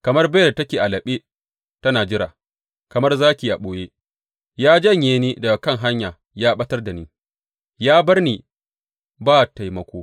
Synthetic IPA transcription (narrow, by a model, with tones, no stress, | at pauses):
kɐ˨mɐ˦rba˦˨tɐ˦kʲeː˨ʔa˨lɐ˨ɓeː˦ | tɐ˦naː˨d͡ʒɪ˦ɾa̰ː˨ | kɐ˨mɐ˦rzaː˦kʲiː˨ʔa˨ɓoː˨jeː˦ | jaː˦d͡ʒɐ˦ɲjeː˨niː˦dɐ˨ɡa˨kɐ˦ŋɦa˦ɲjaː˨ | jaː˦ɓɐ˦tɐ˦rda˨niː˦ | jaː˦bɐ˦rniː˨ | baː˦ta˨jmɐ˨kʷoː˦